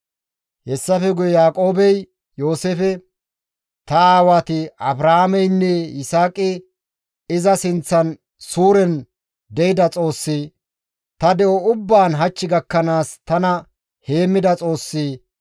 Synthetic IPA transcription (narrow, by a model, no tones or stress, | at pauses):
hɛsːɐfɛɡʊjɛjaːkʼo̞ːbɛj | jo̞ːseːfɛ | t̪ɐaːwaːt̪ɪɐbɾɐhamɛjnːɛjɪsaːkʼɪ | ɪzɐsɪnt͡sːɐn | suːɾɛn | d̪ɛjɪd̪ɐt͡sʼo̞ːsːi | t̪ɐd̪ɛʔɔʊbːaːnɦɐt͡ʃːɪɡɐkːɐnaːst̪ɐnɐ | he̞ːmːɪd̪ɐt͡sʼo̞ːsːiː